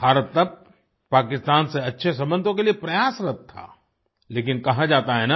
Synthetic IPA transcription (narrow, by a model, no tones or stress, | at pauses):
bʱaːɾət̪ːɐb̚ | paːkɪst̪aːnseɐtːʃʰesɐ̃mbə̃nd̪ʱõkeliepɾɐjaːsɾɐt̚t̪ʰːa̰ː | leːk̬ɪnkɐɦad͡ʒaːt̪aɦɛnaː